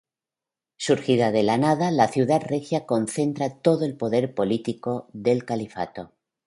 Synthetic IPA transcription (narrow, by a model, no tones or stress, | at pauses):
suɾxiðaðe̞lanað̞alaθjuðat̪rexjako̞nθe̞nt̪ɾat̪o̞ðoe̞lpo̞ðe̞ɾpo̞lit̪iko̞ðe̞lkalifa̰t̪o̞